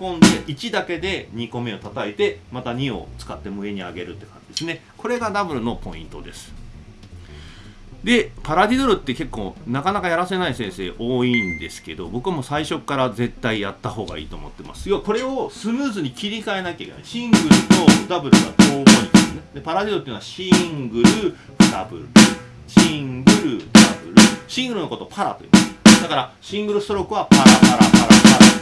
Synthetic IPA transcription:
kõ̞nd̪e̞ʔit͡ɕid̪ake̞d̪e̞ɲ̟iko̞me̞ot̪at̪aet̪e̞mat̪aɲ̟io̞̰t͡sɨ̥kat̪ːe̞mɯe̞ɲ̟iaɡe̞ɾɯ̟t̪ːekã̰ɲd͡ʑid̪e̞sɨne̞ | ko̞ɾe̞ɡad̪abɯ̟ɾɯ̟no̞po̞ḭ̃nt̪o̞d̪e̞sɨ̥ | d̪e̞paɾad̪ʲid̪oɾɯ̟t̪ːe̞ke̞kːo̞̰ːnakanakajaɾase̞naisẽ̞ɰ̃se̞ːʔo̞ːind̪e̞sɨ̥ke̞d̪o̞̰bo̞kɯamo̞saiɕo̞kːaɾaze̞t̪ːaijat̪ːaho̞ːɡa̰ḭːt̪o̰ːmo̰t̪ːe̞ma̰sɨ̥joako̞ɾe̞o̞sɨmɯːzɨɲ̟ikʲiɾʲikae̞nakeaikena̰iɕĩŋɡɯ̟ɾɯ̟t̪o̞d̪abɯ̟ɾɯ̟ɡa̰d̪oːmoĩessned̪e̞paɾadʲid̪ot̪ːeiɯnoaɕĩŋɡɯ̟ɾɯ̟ | d̪abɯ̟̰ɾɾɯ | ɕĩŋɡɯ̟ɾɯ̟d̪abɯ̟ɾɯ̟ɕĩŋɡɯɾɯ̟no̞ko̞t̪o̞pʰaɾa̰t̪ojḭːmasd̪akaɾaɕĩŋɡɯ̟ɾɯst̪oɾo̞kɯ̟βapaɾapaɾa̰paɾapaɾa

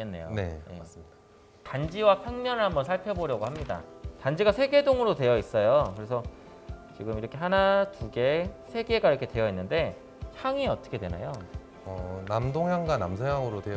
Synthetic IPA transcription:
enːe̞̰jo̰ne̞jḛ | tand͡ʑiwapʰjaŋɲʌnɯɭhambʌnsʰaɭpʰʌboɾjʌɡohamɲida̰tand͡ʑiɡasʰe̞ɡe̞doŋɯɾodwe̞jʌis͈ʌjokɯɾe̞s̬ʰʌ | t͡ɕiɡɯmiɾʌkʰe̞ɦanatuɡe̞sʰe̞ɡe̞ɡaiɾʌkʰe̞twe̞jʌinːɯnde̞ | çjaŋiʌt͈ʌ̥kʰe̞dwe̞na̰jo | ʌnamdoŋɦjaŋɡanamsʰeɦaŋɯɾodwe

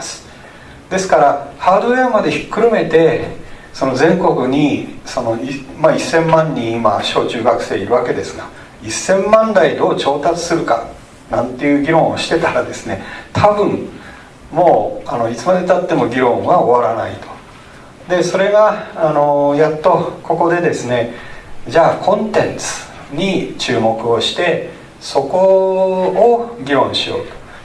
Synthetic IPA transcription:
asɨ̥ | d̪e̞sɨ̥kaɾahaːd̪o̞eamad̪e̞çi̥kːɯ̟ɾome̞t̪e̞ | so̞no̞zẽ̞ŋko̞kɯ̟ɲ̟iso̞no̞imaisːẽ̞mːãɲ̟ːĩima̰ɕo̞ːt͡ɕɨːɡakɯ̟̥se̞ːiɾɯ̟βake̞d̪e̞sɨɡa | isːẽ̞mːãnd̪aid̪o̞ːt͡ɕo̞ːt̪at͡sɨ̥sɨɾɯ̟ka̰ | nãnt̪ːe̞jɯ̟ːɡʲiɾõɰ̃oɕi̥t̪e̞t̪aɾad̪e̞sɨne̞̰t̪ʰabɯ̟̃ɴ | mo̞ːano̞it͡sɨmad̪e̞t̪at̪ːe̞mo̞ɡʲiɾõ̞βao̞βaɾana̰ḭt̪o̥ | d̪e̞so̞ɾe̞ɡaːno̞jat̪ːo̞kʰo̞ko̞d̪e̞d̪e̞sɨne̞d͡ʑaːkʰõ̞nt̪ẽ̞nt͡sɨ̥ | ɲ̟it͡ɕɨːmo̞kɯ̟o̞ɕi̥t̪e̞ | so̞ko̞ː | ɡʲiɾõ̞ɰ̃ɕijo̞ːt̪o̥

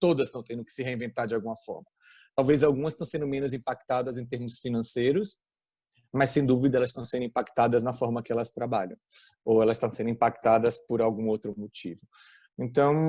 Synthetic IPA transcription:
t̪od̪ɐsst̪ɐ̃w̃t̪ẽd̪ʊkɪ̥sɪɦeĩvẽnt̪aɾd͡ʒɪawɡũmɐfɔ̰ɾmɐ | t̪awvezawɡũmɐst̪ɐ̃w̃sẽnd̪ʊmẽnʊzĩpak̚t̪ad̪ɐzẽt̪eɾmʊsfinɐ̃sejɾʊs | mɐsẽj̃d̪uvid̪ɐɛlɐst̪ɐ̃w̃sẽnd̪ĩpakt̪ad̪ɐznɐfɔɾmɐkɪɛlɐst̪ɾabaʎɐ̰̃w̃ | owɛlɐst̪ɐ̃w̃sẽnd̪ʊĩpakt̪ad̪ɐspoɾawɡũowt̪ɾʊmot͡ʃivʊ | ẽnt̪ɐ̃w̃

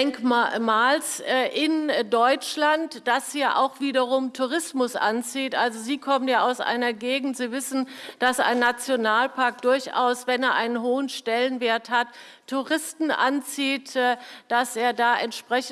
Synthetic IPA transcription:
ɛŋkmaːlsʔɪndɔʏt͡ʃlantd̥ashiːɐʔa̰ʊxv̥iːdɐʁʊmtʰuʁɪsmʊsʔa̰nt͡siːtʔalzoziːkʰɔmənjaːaʊsʔa̰ɪnɐɡeːɡŋ̩tz̥iːvɪsn̩d̥asa̰ɪnːat͡sjonaːlpʰaɐk̚d̥ʊɐçʔa̰ʊsv̥ɛneːɐʔaɪnənɦoːənʃtɛlənveːɐthatʰː | uʁɪstn̩ʔa̰nt͡siːtːd̥aseːɐdaːʔɛntʃpʁ̥ɛç

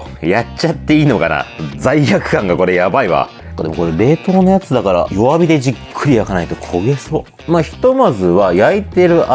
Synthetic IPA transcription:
jat͡ɕat̪ːe̞iːno̞ka̰na̰zaiɾakɯ̟̥kãŋɡako̞ɾe̞jabaiβa̰ | ka̰d̪eoko̞ɾeɾe̞ːt̪o̞ːnojat͡sɨd̪akaɾa̰jo̞βabʲid̪e̞d͡ʑikʰːɯ̟ɾʲiakanait̪o̞kʰo̞ɡe̞so | maçi̥t̪o̞mazɨβajait̪e̞ɾɯ̟ʔa

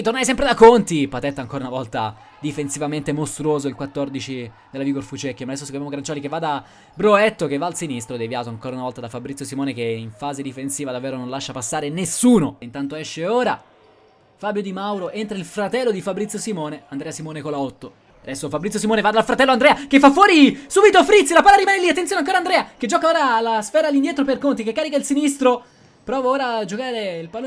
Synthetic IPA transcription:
it̪ornajs̬ɛmpɾed̪akont̪ipat̪ɛt̪ːaŋkoːɾunavɔlt̪a | d̪ifensivament̪emost̪ɾuoːzoilkwat̪ːord̪it͡ʃi | d̪elːaviɡorfut͡ʃɛkːimad̪ɛsːosikomjamoɡɾant͡ʃɔːlikevːad̪a | bɾoɛt̪ːok̟evːaːlsinist̪ɾod̪evjaːt̪oaŋkoːɾaunavɔlt̪ad̪afabɾit̪sjosimɔːnekeiɱfaːzed̪ifensiːvad̪avːɛːɾonõnlaʃːapasːaːɾenesːuːnoint̪ant̪oɛʃːeoːɾa | fabjod̪imawɾoʔent̪ɾailfɾat̪ɛlːod̪ifabɾit̪sjosimɔːneand̪ɾɛːasimɔːnekolaɔt̪ːo | ad̪ɛsːofabɾit̪sʲjos̬imɔːnevad̪alfɾat̪ɛlːoand̪ɾɛːakefːafːwɔːɾisuːbit̪ofɾit̪silapaːlːaɾimaneliat̪ːenjoːneaŋkoɾand̪ɾɛːaked͡ʒːɔːkaoːɾalasfɛːɾalːind̪jɛːt̪ɾoperkont̪ikekːaːɾikailsinist̪ɾo | pɾɔːvaoːɾad͡ʒokaːɾeilpalo

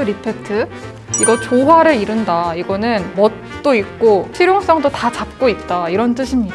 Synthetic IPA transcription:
ɯɾipʰetʰɯ | iɡʌt͡ɕoɦwaɾɯɾiɾɯndaiɡʌnɯnmʌt̚ | t͈oik̚k͈otʰiɾjoŋs͈ʌŋdotat͡ɕap̚k͈oit̚t͈aiɾʌnt͈ɯɕʰimɲida

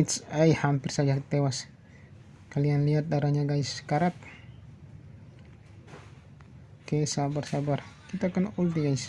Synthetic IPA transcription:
it̪sajhampɪrsad͡ʒat̪ewas | kalianliat̪̚daɾaɲaɡaiskaɾat̪̚ | kesabarsabarkit̪aːkanult̪iɡais

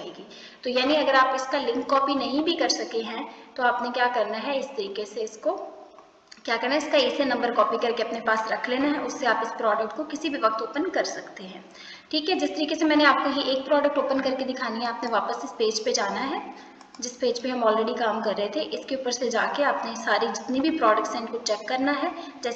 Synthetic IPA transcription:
eːɡiː | t̪ojaːniɐɡəɾaːpɪskalɪ̃ŋkːɔːpinɐɦĩbʱikɐɾsɐkeɦɛ̃t̪oaːpnekjaːkɐɾnaɦɛɪst̪ɐɾiːkeseɪsko | kjaːkɐɾnaɦɛɪskaiːsenɐ̃mbəɾkɔːpikɐɾkeɐpnepaːsɾɐkʰleːnaɦɛʔʊsːeaːpɪspɾɔːɖək̚ʈ̚kokɪsibʱiʋɐk̚t̪oːpənkɐɾsɐkt̪eɦɛ̃ː | ʈʰiːkɦɛd͡ʒɪst̪ɐɾiːkesemɛːneaːp̚koɦiʔeːk̚pɾɔːɖək̚ʈoːpənkɐɾked̪ɪkʰaːniɦɛ̃aːpneʋaːpəsɪspeːd͡ʒped͡ʒaːnaɦɛː | d͡ʒɪspeːd͡ʒpeɦɐmɔːlɾɛɖikaːmkɐɾːəɦet̪ʰeʔɪskeuːpəɾsed͡ʒaːkeaːpnesaːɾid͡ʒɪt̪nibʱipɾɔːɖək̚ʈsɛ̃ːɳɖkot͡ʃɛkːɐɾnaɦɛː | d͡ʒɛː

